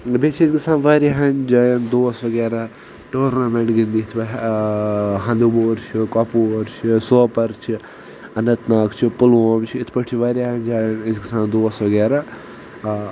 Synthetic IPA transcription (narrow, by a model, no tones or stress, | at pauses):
bet͡ʃʰɪsɡisaːnʋaːɾaɦɐnd͡ʒaːjɐnd̪oːsʋɐɡeːɾa | ʈoːɾnamẽɳʈɡind̪iːt̪ʰbɐ | ɦɐ̃nd̪uboːɾt͡ʃʰikapoːɾt͡ʃʰisoːpɐɾt͡ʃʰi | ɐnɐt̪naːkt͡ʃʰipʊloːmt͡ʃʰiɪt̪ʰpɐʈʰt͡ʃʰiʋaːɾʲaɦɐnʲd͡ʒaːjɐnɪsɡisaːnd̪oːsʋɐɡeːɾaː